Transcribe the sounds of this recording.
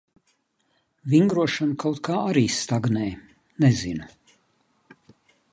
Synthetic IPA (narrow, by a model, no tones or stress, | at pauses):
viŋɡɾuɔʃanukʰawt̪kʰaːaɾiːst̪aɡnɛj | nɛzinu